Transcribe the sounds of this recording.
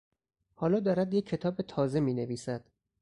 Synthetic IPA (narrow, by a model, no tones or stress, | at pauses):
hɒːlɒːd̪ɒːɾæd̪jecʰːe̞t̪ʰɒːbet̪ʰɒːze̞miːne̞viːsæd̪̥